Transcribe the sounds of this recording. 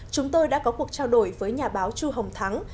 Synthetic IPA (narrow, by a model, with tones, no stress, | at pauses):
t͡ɕʊ˨˦ŋ͡mt̪o˧jɗa̰ː˧˥kɔ˨˦ku˨˩ək̚t͡ɕaː˧wɗo˧˩jvəː˨˦jɲaː˨˩ɓaː˨˦wt͡ɕu˧ɦə˨˩wŋ͡mt̪ʰa˨˦ŋ